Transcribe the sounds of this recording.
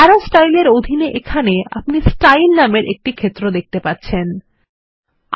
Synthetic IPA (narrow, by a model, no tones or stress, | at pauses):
aɾosʈajleɾod̪ʱineʔekʰanea̰pnisʈajlnameɾʔḛk̚ʈikʰet̪ːɾod̪ek̚t̪epatːɕʰen